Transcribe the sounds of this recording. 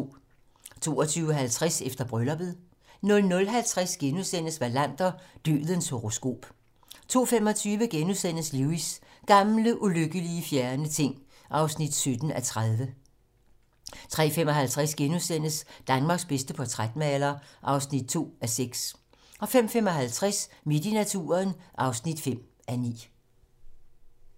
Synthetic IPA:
t͡sʰo̝̰ːɒt͡sʰyːʊəɦælt͡sʰʁasefd̥ɐb̥ʁœlɒb̥ð̞̩ˠ | nɔ̽lnɔ̽lɦælt͡sʰʁasɡ̥enusen̰əsʋælæn̰d̥ɐd̥y̰ːð̩ˠənshoʁo̝sɡ̥o̝̰ːb̥ | t͡sʰo̝̰ːfemɒ̽t͡sʰyːʋəɡ̥enusen̰əsluisɡ̥ɑ̈mləʔuløɡ̥əliəfjæɐnət͡sʰe̝ŋ̰ | ʔɑ̈ʊsnid̥sød̥n̩æt͡sʰʁaðˠʋə | t͡sʰʁɛ̰fem̰ɒ̽ɦælt͡sʰʁasɡ̥enuðˠsen̰əsd̥ænmɑ̈ːɡ̥sb̥esd̥əpʰɒ̽t͡sʰʁad̥nɛlɐʔɑ̈ʊsnid̥̚t͡sʰo̝̰ːæseɡ̥s | ɒ̽fem̰fem̰ɒ̽ɦælt͡sʰʁasme̝d̥inæt͡sʰṵːɐnʔɑ̈ʊsnid̥fem̰ | ʔænḭː

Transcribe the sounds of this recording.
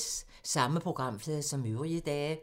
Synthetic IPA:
s | sɑ̈məpʰʁo̝ɡ̥ʁɑ̈m̰flɛːðˠsɒ̽møʊʁiəd̥ɛː

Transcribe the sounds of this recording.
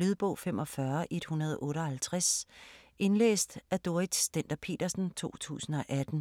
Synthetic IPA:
lyð̞ˠb̥ɔ̰̽ʊ̰fem̰ʔɒ̽fɶɐʔe̝d̥hunɐð̞̩ˠɔ̽ːɾɒ̽hælt͡sʰʁas | e̝nlḛːsd̥æd̥o̝ɐid̥sd̥en̰d̥ɐpʰe̝̰ːd̥ɐsn̩t͡sʰo̝̰ːt͡sʰṵːsn̩ɒ̽ʔæd̥n̩

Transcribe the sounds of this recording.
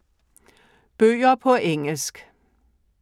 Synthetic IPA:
b̥øːɐpʰɒ̽ʔeŋl̩sɡ̥

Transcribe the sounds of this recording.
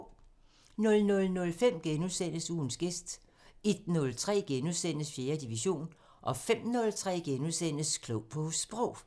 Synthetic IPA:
nɔ̽lnɔ̽lnɔ̽lfem̰ɡ̥enuðˠsen̰əsuːn̩sɡ̥esd̥ | e̝d̥nɔ̽lt͡sʰʁɛ̰ːɡ̥enuðˠsen̰əsfje̝ːɐd̥iʋiɕo̝̰ːn | ʔɒ̽fem̰nɔ̽lt͡sʰʁɛ̰ːɡ̥enuðˠsen̰əskʰlɔʊ̰pʰɒ̽sb̥ʁɔʊ̰

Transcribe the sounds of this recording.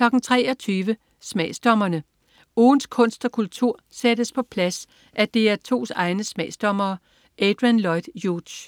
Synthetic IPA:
klɒ̽ɡ̥n̩t͡sʰʁɛ̰ːɒ̽t͡sʰyːʋə | smɛːsd̥ɒ̽mɐnə | oːnskʰɔ̽n̰sd̥ɒ̽kʰult͡sʰuɐ̰sedəspʰɒ̽pʰlæs | ʔæd̥e̝æɐt͡sʰo̝̰ːsɑ̈ɪnəsmɛ̰ːsd̥ɒ̽mɐː | ʔed̥ʁænlɒɪd̥jud̥ɕ

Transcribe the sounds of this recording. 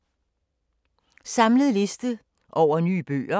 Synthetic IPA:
sɑ̈mləð̩ˠle̝sd̥ə | ʔɒʊ̰ɐny̰ːb̥ø̰ːɐ

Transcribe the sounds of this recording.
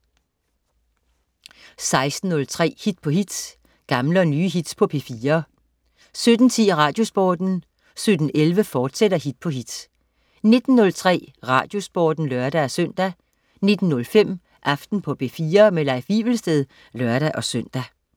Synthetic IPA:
sɑ̈ɪsd̥n̩ːɔ̽lt͡sʰʁɛ̰ːhid̥pʰɒ̽hid̥ | ɡ̥ɑ̈mlənyːɦid̥pʰɒ̽pʰe̝fiːɐ | sød̥n̩t͡sʰḭːʁɑ̈ːd̥jo̝sb̥ɒ̰ːd̥n̩ | sød̥n̩ʔelʋəfɒːd̥seɾ̥ɐɦid̥̚pʰɒ̽ɦid̥ | ne̝d̥n̩ːɔ̽lt͡sʰʁɛ̰ːʁɑ̈ːd̥jo̝sb̥ɒ̰ːd̥n̩lœɐɾ̥æɒsøn̰d̥æ | ne̝d̥n̩ːɔ̽lfem̰ | ʔɑ̈fd̥n̩pʰɒ̽pʰe̝fiːɐmelɑ̈ɪfiʋlsd̥eðˠ | lɶɐɾ̥æʔɒ̽søn̰d̥æ

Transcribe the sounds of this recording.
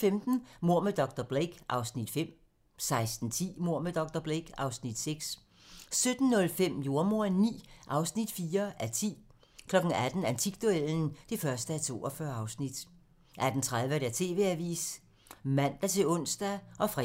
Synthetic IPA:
femd̥n̩mo̝ɐ̰med̥ɒ̽ɡ̥̚d̥ɐb̥ʁeɡ̥ʔɑ̈ʊsnid̥fem̰ | sɑ̈ɪsd̥n̩t͡sʰḭːmo̝ɐ̰med̥ɒ̽ɡ̥d̥ɐb̥ʁeɡ̥ɑ̈ʊsnid̥seɡ̥s | sød̥n̩ːɔ̽lfem̰jo̝ɐmo̝ɐnḭːʔɑ̈ʊsnid̥fiːɐʔæt͡sʰḭː | kʰlɒ̽ɡ̥n̩æd̥n̩ænt͡sʰiɡ̥̚d̥ueln̩d̥e̝fɶɐsd̥əæt͡sʰo̝̰ːɒfɶɐɑ̈ʊsnid̥ | ʔæd̥n̩t͡sʰʁaðˠʋəɾeæt͡sʰe̝̰ːʋe̝æʋḭːs | mæn̰d̥æt͡sʰe̝ɔ̽n̰sd̥æʔɒ̽fʁɛ

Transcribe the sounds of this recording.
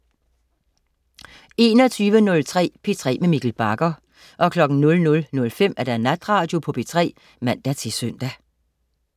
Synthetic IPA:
e̝ːnɒ̽t͡sʰyːʋənɔ̽lt͡sʰʁɛ̰ːpʰe̝t͡sʰʁɛ̰ːmemiɡ̥l̩b̥ɑ̈ɡ̥ɐ | ʔɒ̽kʰlɒ̽ɡ̥n̩nɔ̽lnɔ̽lnɔ̽lfem̰æɐɾ̥ænæd̥ʁɑ̈ːd̥jo̝pʰɒ̽pʰe̝t͡sʰʁɛ̰ː | mæn̰d̥æt͡sʰe̝sœn̰d̥æ

